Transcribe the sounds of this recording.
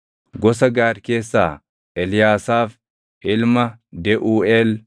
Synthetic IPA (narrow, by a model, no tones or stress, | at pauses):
ɡɔsɐɡaːɾke̞ːsːa̰ː | ʔɛlɪjaːsaːf | ʔɪlmɐd̪ɛʔuːɛl